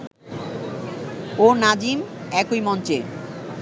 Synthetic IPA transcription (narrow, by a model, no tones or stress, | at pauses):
onad͡ʑimɛkojmɔnt͡ɕe